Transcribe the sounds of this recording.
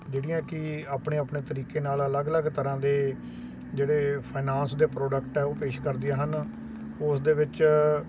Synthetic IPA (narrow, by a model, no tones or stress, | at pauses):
d͡ʒeːɽɪ̃jãːkɪaːpɳeːəpɳeːt̪əɾiːkeːnaːlələɡələɡt̪əɾãːd̪eː | d͡ʒeːɽeːpʰaːnãːnsd̪eːpɾoːɖəkʈɛːoːpeːʃkəɾd̪ɪjaːɦən | ʊsd̪eːʋɪt͡ʃ